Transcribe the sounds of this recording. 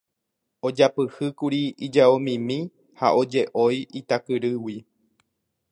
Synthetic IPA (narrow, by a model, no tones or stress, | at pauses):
od͡ʒapɨhɨkuɾiid͡ʒaomĩmĩ | ha̰ʔo̞d͡ʒe̞ʔojit̪akɨɾɨwi